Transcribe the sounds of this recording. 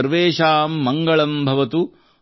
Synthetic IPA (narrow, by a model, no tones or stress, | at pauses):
ɾʋeːʃaːmːɐŋɡɐɭɐmbʱɐʋɐt̪u